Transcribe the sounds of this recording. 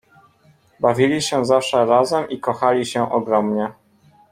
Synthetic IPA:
bavʲilʲiɕɛzafʂɛɾazɛmikɔxalʲiɕɛʔɔɡɾɔmɲɛ

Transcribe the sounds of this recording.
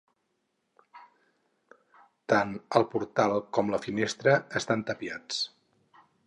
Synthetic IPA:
t̪anəlˠpuɾt̪alˠkɔmləfinest̪ɾəːst̪ant̪əpiat͡s

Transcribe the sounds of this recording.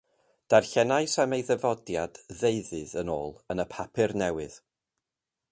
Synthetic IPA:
d̥arɬɛnaɨsamejðəvɔdjad̥ðeɨðɨðəno̰ːlˠənəpʰapʰɨrnɛwɨð̥

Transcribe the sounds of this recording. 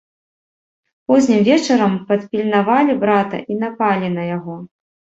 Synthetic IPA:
pɔzʲnʲimvʲɛt͡ʂɐɾɐmpɐt̪pʲilʲnavalʲibɾat̪ɐ̰ʔinapalʲinɐjaɣɔ

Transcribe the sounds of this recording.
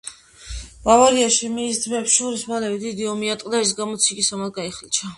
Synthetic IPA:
bavaɾiaʃimiːsd̪zmɛpsʃɔɾismalɛvɛd̪id̪iɔmiat̪ʼqʼd̪ais̬ɡamɔt̪sʰikʼisamat̪ɡaiχlit͡ʃʰa

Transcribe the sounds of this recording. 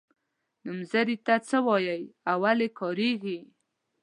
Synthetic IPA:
numzaɾit̪at͡səwɑjajawalekʰɑɾeɡi

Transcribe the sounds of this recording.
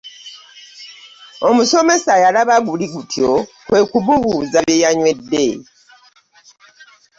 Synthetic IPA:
omuso̞me̞sajalaβaɡuliɡutʰjo | kwe̞ːkuβuβuzaβjejaɲwe̞dːḛ

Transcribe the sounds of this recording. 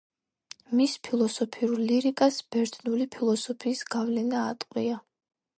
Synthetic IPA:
mispʰilˠɔsɔpʰiuɾliɾikʼasb̥ɛɾt̪ʰnulipʰilˠɔsɔpʰiːsɡ̥avlɛnaːt̪ʼqʼwia

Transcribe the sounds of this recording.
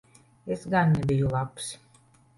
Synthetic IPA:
esɡanːebʲijulˠaps

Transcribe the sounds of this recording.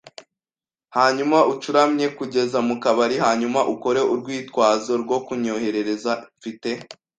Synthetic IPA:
haːɲumaʔut͡ʃuɾamɲe̞kuɟe̞zamukaβaɾihaːɲumaʔuko̞ɾe̞ʔuɾɡwiːtkwaːzo̞ɾɡwo̞kuɲo̞he̞ɾe̞ɾe̞zaɱfite̞

